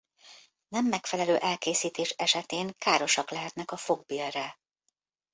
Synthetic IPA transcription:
nɛmːɛkfɛlɛløːʔɛlkeːsiːt̪eːʃɛʃɛt̪eːŋkaːɾo̞ʃɒklɛɦɛt̪nɛkɒfo̞ɡ̚biːlrɛ

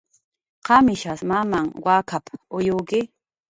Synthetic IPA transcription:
qɑmɪʃasmamaŋwakʰapʊjʊkɪ

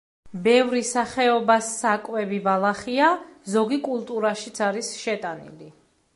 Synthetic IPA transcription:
bɛvɾisaχɛɔbasːakʼwɛbibalˠaχiazɔɡikʼulˠt̪ʼuɾaʃit̪sʰaɾisʃɛt̪ʼanḭli

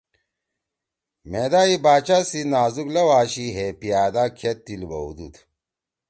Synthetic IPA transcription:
med̪aːibaːt͡ɕasinaːzuklɐwaːɕiɦepijaːd̪akʰet̪ːilbɐṵd̪ṵt̪

